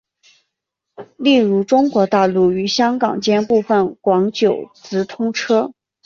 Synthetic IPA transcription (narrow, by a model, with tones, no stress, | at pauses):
li˥˩ɻu˧˥ʈ͡ʂʊ˥ŋkwɔ˧˥t̪a˥˧lu˥˩y˧˥ɕjɑ˥ŋkɑ˨˩ŋt͡ɕjɛ˥npu˥˧fə˥˩nkwɑ˧˥ŋt͡ɕjo˨˩ʊt͡sɹ̩˧˥t̪ʰʊ˥ŋʈ͡ʂʰɤ˥